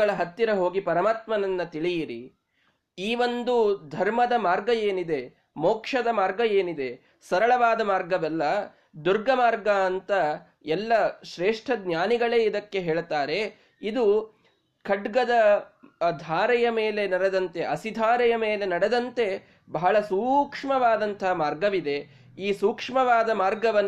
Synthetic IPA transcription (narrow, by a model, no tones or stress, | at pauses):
ɐɭɐɦɐt̪ːiɾɐɦo̞ːɡipɐɾɐmaːt̪mɐnɐnːɐt̪iɭijiɾi | iːʋo̞nd̪ud̪ʱɐɾmɐd̪ɐmaːɾɡɐjeːnid̪e̞ | moːkʂɐd̪ɐmaːɾɡɐjeːnid̪e̞ | sɐɾɐɭɐʋaːd̪ɐmaːɾɡɐʋɛlːɐ | d̪uɾɡɐmaːɾɡɐːnt̪ɐ | ɛlːɐʃɾeːʂʈʰɐd̪njaːniɡɐɭeːid̪ɐkːe̞ɦeːɭt̪aːɾe̞ | id̪u | kʰɐɖɡɐd̪ɐ | d̪ʱaːɾɛjɐme̞ːle̞nɐɽed̪ɐnt̪e̞ʔɐsid̪ʱaːɾɛjɐme̞ːle̞nɐɽed̪ɐnt̪e̞ | bɐɦɐɭɐsuːkʂmɐʋaːd̪ɐnt̪ɐɦɐmaːɾɡɐʋid̪e̞ | iːsuːkʂmɐʋaːd̪ɐmaːɾɡɐʋɐnː